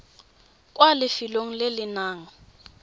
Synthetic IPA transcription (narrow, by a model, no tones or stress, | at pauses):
kʼwalɪfiloŋ̩lɪlɪnaːŋ̩